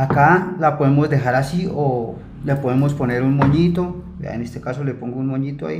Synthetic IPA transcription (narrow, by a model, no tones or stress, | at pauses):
akalapoðemo̞zd̪e̞ɦaɾasio | lepo̞ðemo̞spo̞ne̞ɾunmoɲit̪o | ḛa̰enest̪e̞kaso̞lepo̞ŋɡounmoɲit̪oa̰i